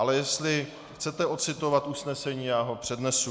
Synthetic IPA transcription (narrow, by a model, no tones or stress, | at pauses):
alɛjɛst̪lɪ | xt͡sɛt̪ɛo̞t͡sɪt̪o̞vat̪ʔusnɛsɛɲiːjaːɦo̞pr̝̥ɛdnɛsu